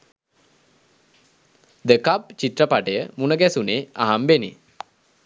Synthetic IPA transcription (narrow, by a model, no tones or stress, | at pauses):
d̪əkap̚t͡ʃit̪rəpaʈəjəmunəɡɛsuneːaɦambenḛ